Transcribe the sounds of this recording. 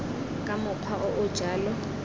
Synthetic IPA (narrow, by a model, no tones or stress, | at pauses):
kʼamʊq͡χʰwaʔʊʔʊd̥ʒ̥ʱaːlɔ